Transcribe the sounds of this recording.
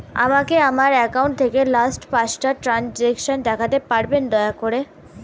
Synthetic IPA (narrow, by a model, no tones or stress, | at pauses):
a̰makeamaɾɛkawɳʈ̚t̪ʰekelasʈpasʈaʈɾand͡ʑekʃond̪ɛkʰat̪epaɾbend̪ɔeakoɾe